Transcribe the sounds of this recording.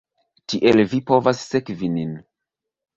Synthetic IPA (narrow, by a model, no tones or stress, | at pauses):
tiʔe̞lvipo̞vasːe̞kvinin